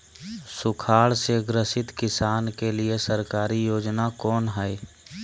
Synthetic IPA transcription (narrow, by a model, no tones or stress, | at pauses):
sʊkʰaːɭseɡɾəsɪt̪kɪsaːnkeliesəɾkaːɾijoːd͡ʒnakɔːnɦɛe